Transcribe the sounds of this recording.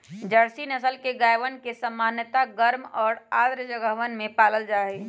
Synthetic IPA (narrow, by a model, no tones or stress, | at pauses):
d͡ʒəɽsinəsəlkeɡaːjʋənkesəmːaːnjət̪aɡəɾmɔːɾaːd̪ɾd͡ʒəɡəɦʋənmẽpaːləld͡ʒaːe